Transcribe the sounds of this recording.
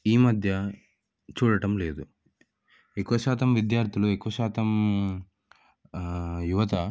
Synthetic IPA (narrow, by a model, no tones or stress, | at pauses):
iːmɐd̪ʱjɐ | t͡ʃuːɽɐʈɐmle̞ːd̪u | ekuʋɐʃaːt̪ɐmʋid̪jaːɾt̪ʰiluekuʋɐʃaːt̪ɐm | juʋɐt̪ɐ